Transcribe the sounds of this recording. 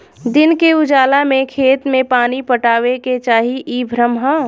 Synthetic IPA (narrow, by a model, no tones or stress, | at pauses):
d̪ɪnkeʊd͡ʒaːlamẽkʰeːt̪mẽpaːnipəʈaːʋeket͡ʃaːɦiʔiːbʱɾəmɦa